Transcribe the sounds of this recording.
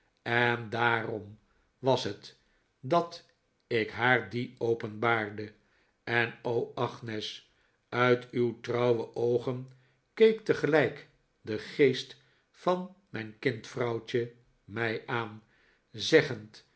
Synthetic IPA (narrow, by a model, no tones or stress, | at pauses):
ɛndaːrɔm | ʋɑsɦət | dɑt | ɪkɦaːɹdiowpənbaːɹdə | ɛnowɑχnɛs | œɥtywtrɑwwəʔowχən | kejktəχəlɛjk | dəχejst | fɑnmɛjnkɪntfrɑwt͡ʃə | mɛjʔaːn | zɛχənt